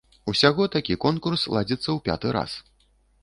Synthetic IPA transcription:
usʲaɣɔt̪akʲikɔnkurslˠad͡zʲit̪sːɐwpʲa̰t̪ɨɾa̰s

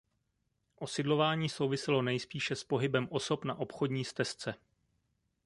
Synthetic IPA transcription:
ʔo̞sɪdlo̞vaːɲiːso̞wvɪsɛlo̞nɛjspiːʃɛspo̞ɦɪbɛmʔo̞so̞pnaʔo̞pxo̞dɲiːst̪ɛst͡sɛ

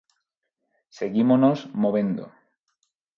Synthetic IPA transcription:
seɣimonozmoβe̞nd̪o̰

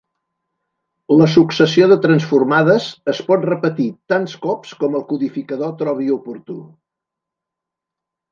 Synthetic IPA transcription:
ləs̬uksəsioðət̪ɾənsfurmaðəzəspɔt̪rəpət̪it̪anskɔpskɔməlˠkuðifikəðot̪ɾɔβ̞iupuɾt̪u

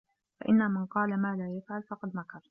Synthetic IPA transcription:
fa̰ʔɪnːamanqɑːlamaːlaːjafʕalfɑqɑd̪makɑɾˤ

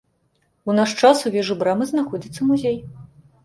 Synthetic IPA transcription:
unaʂt͡ʂasuvʲɛʐɨbɾamɨznaxɔd͡zʲit̪sːɐmuzʲej

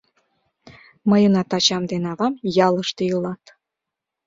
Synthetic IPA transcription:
məjənɑt̪ɑt͡ɕɑmd̪enɑβɑmjɑləʃt̪eəlɑt̪

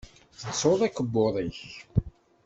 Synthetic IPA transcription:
θəsoðˤækːəbːoðˤiç

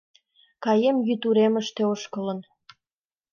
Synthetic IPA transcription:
kɑjemjyt̪uɾeməʃt̪eoʃkələ̆n

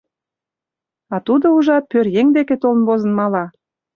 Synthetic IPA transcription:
ɑt̪ud̪ouʒɑt̪̚pørjeŋd̪eket̪olə̆nβozə̆nmɑlɑ

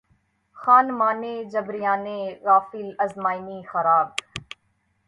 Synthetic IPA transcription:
xaːnmaːneːd͡ʒɐbɾɪjaːneːɾaːfilɐzmaːiniːxɐɾaːb̚

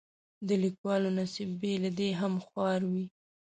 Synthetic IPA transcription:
d̪əlikwɑlonasibːelad̪eɦamxwɑɾwi

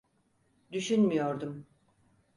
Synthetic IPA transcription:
d̪yʃynmijoɾd̪um

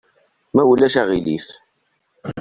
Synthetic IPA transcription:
mæwəlːæʃæʁilḭθ

